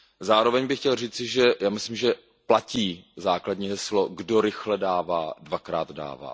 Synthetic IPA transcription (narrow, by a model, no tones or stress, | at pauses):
zaːɾovɛɲbɪxcɛlriːt͡sɪʒɛjaːmɪslɪmʒɛ | placiːzaːkladɲiɦɛsloɡdoɾɪxlɛdaːvaːdvakɾa̰ːd̪da̰ːva̰ː